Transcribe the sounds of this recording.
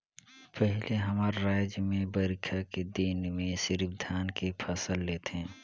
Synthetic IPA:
pəɦɪleɦəmaːɾɾaːjd͡ʒjəmẽbəɾɪkʰaked̪inmẽsɪɾbd̪ʱaːnkepʰəsəlːeːt̪eɦɛ̃

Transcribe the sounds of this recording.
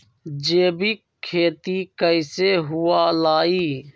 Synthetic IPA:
d͡ʒeːbi | kʰeːt̪ikəɪseɦʊaːlaːiː

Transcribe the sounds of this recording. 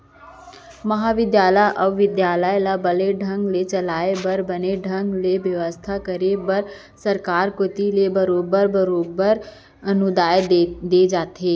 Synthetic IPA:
mɐɦaːʋɪd̪jaːləjʔɔʋɪd̪jaːləjlabəleɖʱə̃ŋɡlet͡ʃɐlaːebəɾbəneɖʱə̃ŋɡleʋjɐʋəst̪ʰakəɾebəɾ | səɾkaːɾkot̪ilebəɾoːbəɾbəɾoːbəɾ | ɐnʊd̪aːjed̪ed͡ʒaːt̪ɦeː

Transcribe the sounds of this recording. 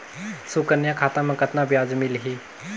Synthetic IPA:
sukəɾnjãkʰaːt̪ãmẽkɐt̪nabjaːd͡ʒmɪlɦiː

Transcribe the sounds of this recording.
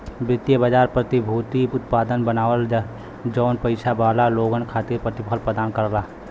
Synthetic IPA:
bɪt̪jəbəd͡ʒaːɾpɾət̪ibʱut̪iʊt̪pad̪ənbənaːwəl | d͡ʒɔːnpəɪt͡ʃʰabalaloɡənkʰat̪iɾpɾət̪ipʰəlpɾəd̪aːnkəɾla

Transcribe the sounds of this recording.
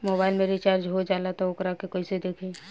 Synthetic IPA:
moːbaːɪlmẽɾit͡ʃaːɾd͡ʒɦod͡ʒaːlat̪oʊkɾakekoised̪eːkʰeː

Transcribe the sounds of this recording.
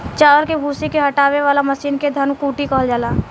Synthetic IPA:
t͡ʃaːəlkebʱuːsikeɦɐʈaːweʋaːlamɐʃiːnked̪ʱɐnkuːʈikɔɦəld͡ʒaːlaː

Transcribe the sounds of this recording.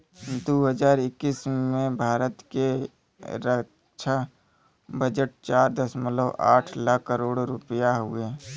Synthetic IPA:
d̪oɦəd͡ʒaːɾɪkːiːsmẽbʱaːɾət̪ke | ɾə | t͡ʃʰa | bəd͡ʒəʈ̚t͡ʃaːɾd̪əsmələba̰ːʈʰlakːəɾoːɽɾʊpjaɦue

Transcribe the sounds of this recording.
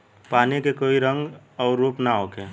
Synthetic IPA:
paːnikekoːiɾə̃ŋɡ | ɔːɾːuːpnaɦoːkeː

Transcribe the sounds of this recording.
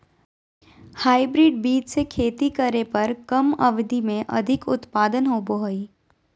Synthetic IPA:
haːibɾɪːɖ̚biːd͡ʒsekʰeːt̪ikɐɾepɐɾkɐmɐʋɪd̪ʱimẽʔɐ̰d̪ʱɪkʊt̪paːd̪ənɦoːboɦoi

